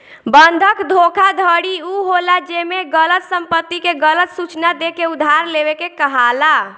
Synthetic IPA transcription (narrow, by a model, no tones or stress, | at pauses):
bənd̪ʱəkd̪ʱokʰad̪ʱəɽiuɦolad͡ʒemeɡələt̪səmpət̪ːikeɡələt̪sut͡ʃnad̪ekeud̪ʱːaɾleβekekəɦala